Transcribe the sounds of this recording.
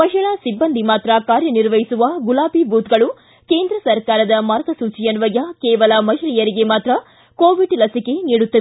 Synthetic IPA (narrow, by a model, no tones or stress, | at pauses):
pɐʃɐɭasibːɐnd̪ʱimaːt̪ɾɐkaːɾjɐniɾʋɐjisuʋɐɡulaːbibʱuːt̪ɡɐɭu | keːnd̪ɾɐsɐɾkaːɾɐd̪ɐmaːɾɡɐsuːt͡ʃijɐnʋɐjɐkeːʋɐlɐmɐɦɾijɐɾiɡe̞maːt̪ɾɐ | koːʋiɖlɐsike̞niːɽut̪ːɐʋe